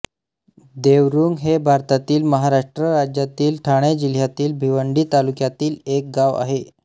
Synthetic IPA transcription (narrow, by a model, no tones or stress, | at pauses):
d̪eʋɾuːŋɡɦebʱaɾt̪at̪iːlməɦaɾaʂʈɾəɾad͡ʑjat̪iːlʈʰaɽ̃ed͡ʑil̤jat̪iːlbʱiʋəɳɖiːt̪alukjat̪iːlek̚ɡaʋa̰ɦe